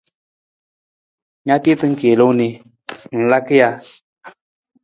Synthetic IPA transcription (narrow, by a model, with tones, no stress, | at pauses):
ɲa˦t̪e˦t̪ə˦ŋ̩˦ke˨lo˦ni˧ | ŋ̩˨la˦ki˦ja˧